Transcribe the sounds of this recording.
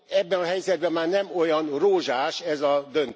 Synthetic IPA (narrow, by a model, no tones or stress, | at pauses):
ɛbːɛnɒɦɛjzɛd̪̚bɛmːaːrnɛmo̞jɒnroːʒaːʃɛzɒd̪ø̞n